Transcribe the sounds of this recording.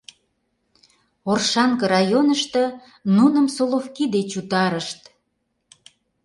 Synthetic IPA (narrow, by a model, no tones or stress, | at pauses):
orʃɑŋkə̆ɾɑjonəʃt̪ə̆ | nunəmsolofkid̪et͡ɕut̪ɑɾəʃt̪